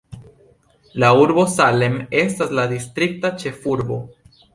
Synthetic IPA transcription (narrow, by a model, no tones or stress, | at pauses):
lauɾbo̞sale̞me̞staslad̪ist̪ɾik̚tat͡ʃe̞fuɾbo̞̰